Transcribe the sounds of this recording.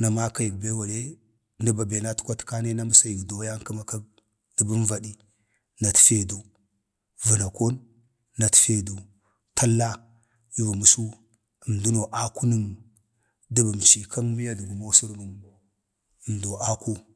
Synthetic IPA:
na˨ma˦ka˦ji˨ɡ̚be˦wa˨je˦ | ni˦ba˨be˨na˦tkʷa˦tka˦ne˦na˦mə˦sa˦ji˨ɡdo˨ja˦ŋkə˦ma˨ka˦ | də˨bu˦n˦va˨di˦ | na˨tfe˨du˨ | və˨na˨ko˦n | na˨tfe˨du˨ | tʰa˦lːa˦ | ju˦vu˨mu˨su˦ | ə˨mdu˦no˨ʔa˦ku˦nə˦m | də˦bə˨m˨t͡ʃi˨ka˦nmi˦ja˦də˨ɡu˨mo˦su˦ɾmu˨m | ə˨mdo˨a˦ku˦

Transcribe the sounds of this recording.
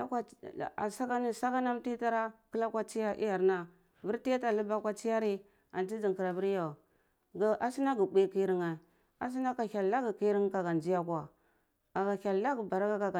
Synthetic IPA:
a˦kʷa˦˨a˨sa˦ka˦ni˦sa˦ka˦na˦m˦ti˦ta˦ɾa˦ki˦la˦kʷa˦t͡ʃi˦ja˦ʔḭ˦ja˨ɾna˦ | vi˦ɾti˦a˦ta˨lu˦ba˦kʷa˦t͡ʃi˦ja˦ɾi˦ | a˨nti˦d͡ʒi˨ŋki˨ɾa˨vi˦ɾja˨ | ɡa˨ʔa˨si˦na˦ɡi˨bʷi˦ki˦ɾi˦ŋa˨ | a˨s̬i˦na˦ka˨ha˨lla˦ɡi˨ki˦ɾi˦ŋ˦ka˨ɡa˨nd͡ʒi˦ja˦kʷa˨ | a˨ɡa˨ka˨lːa˦ɡi˨ba˨ɾa˦ɡa˦ka˨ɡa˨

